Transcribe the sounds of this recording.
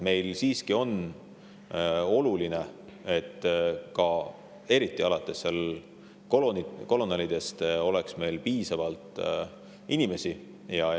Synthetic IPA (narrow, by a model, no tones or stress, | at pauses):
me̞jlsiːskio̞n | o̞luline̞e̞t̪ːkɑ | e̞ɾit̪ːˑiɑlɑt̪ːˑe̞sːel | koloniko̞lo̞nɑlid̪̥e̞st̪o̞le̞ksme̞jlpiːsɑvɑlt̪ˑ | ʔinʲime̞si | jɑ